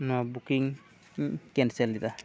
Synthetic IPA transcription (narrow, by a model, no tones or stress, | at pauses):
nɔbukiŋ | kɛnsɛldita